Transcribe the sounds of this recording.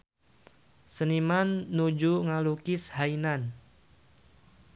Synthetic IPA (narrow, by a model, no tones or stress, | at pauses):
sənimanːud͡ʒuŋalukɪshainan